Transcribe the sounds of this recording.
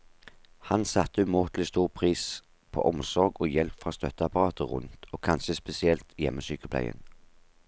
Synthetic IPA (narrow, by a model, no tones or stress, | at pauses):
hɑnsɑt̪ːəʉmuːt̪lɪst̪uːʁpʰʁiːs | pʰo̰ːʔɔmsɔʁɡoːjɛlpfʁɑːst̪œt̪əɑpɑʁɑːt̪ʰəʁʉ̰nt̪ʰoːkʰɑnʃəspɛsɪɛlt̪jɛməsyːkəpʰlæ̰ɪə̰n